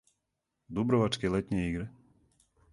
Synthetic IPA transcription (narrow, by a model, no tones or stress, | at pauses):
d̪ubɾɔvat͡ʃkʲilˠɛt̪ʲnʲɛiːɡɾɨ